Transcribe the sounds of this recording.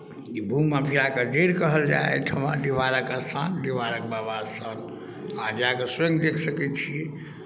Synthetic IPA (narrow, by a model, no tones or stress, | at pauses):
kibʱumapʰiakəd͡ʒeɾkəɦəld͡ʒa̰ḛt̪ʰəmãɖiʋaɾəkasãnɖiʋaɾəkbabasən | ãd͡ʒakəsẽŋɡd̪ekʰsəkɛt͡ʃʰi